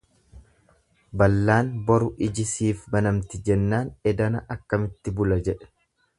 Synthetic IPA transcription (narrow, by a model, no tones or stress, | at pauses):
bɐlːaːnbɔɾʊʔɪd͡ʒɪsiːfbɐnɐmt̪ɪd͡ʒɛnːaːnɛd̪ɐnɐʔɐkːɐmɪt̪ːɪbʊlɐd͡ʒɛᶑɛ̥